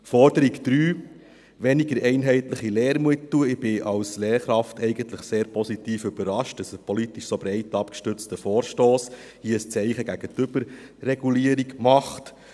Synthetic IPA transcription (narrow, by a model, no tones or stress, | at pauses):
fɔɾd̥əɾikd̥̪ɾyː | ʋɛniɡəɾɛɪnɦɛɪtləχileːɾmuətːuəɪb̥ɪʔɑwsleːɾχɾɑftɛɪɡəntləχseːɾpʰɔsitiːfʏbəɾɑʃtəsəpɔlit̪iʃsobɾɛɪtːɑpkʃtʏɾt͡stəfoːɾʃtoːshiəst͡sɛɪχəɡæɡ̥ətʏb̥əɾːɛɡuliːəɾiɡmɑχt